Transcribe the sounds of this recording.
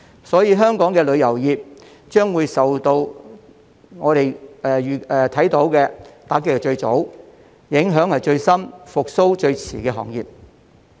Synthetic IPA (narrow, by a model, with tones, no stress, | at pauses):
sɔː˨˥jiː˧ɦœː˥ŋkɔː˨˥ŋkɛː˧lɵ˨˧ɥjɐ˨˩wjiː˨p̚ | t͡ʃœː˥ŋwuː˨˧jsɐ˨wt̪o˧w | ŋɔː˨˧ɾe˨jɛː˨yː˨˩ɛ˨t̪ʰɐ˨˥jt̪o˨˥wkɛː˧t̪aː˨˥kːɪ˧˥kːɛ˧t͡ʃɵ˧ɥt͡so˨˥w | jɪ˨˥ŋɦœː˨˥ŋhɐ˨˩jt͡ʃɵ˧ɥsɐ˥mfʊ˨k̚so˥wt͡ʃɵ˧ɥt͡sʰiː˨˩kɛː˧ɦɔ̰ː˨˩ŋjḭː˨p̚